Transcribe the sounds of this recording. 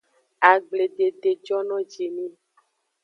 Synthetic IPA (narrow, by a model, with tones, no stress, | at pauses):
a˨ɡ͡ble˨ɖe˨ɖe˨d͡ʒɔ˦nɔ̃˦d͡ʒe˨nĩ˦